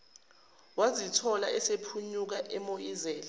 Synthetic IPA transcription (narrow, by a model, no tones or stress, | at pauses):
wazitʰɔlaɛsepʰuɲuk̬aʔɛmojizɛːla